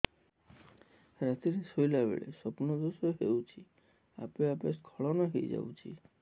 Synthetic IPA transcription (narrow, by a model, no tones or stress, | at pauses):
ɾat̪iɾsojlabḛɭesɔpunɔd̪osɔɦewt͡ʃʰi | a̰peapeskʰɔɭɔnɔɦḛjd͡ʒa̰wt͡ʃʰḭ